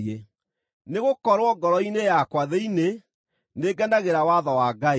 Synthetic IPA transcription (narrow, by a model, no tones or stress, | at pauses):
e | neɣokɔɾwɔɡɔɾɔinejakwaðeine | neɡɛndaɣeɾawaðɔwaːɡae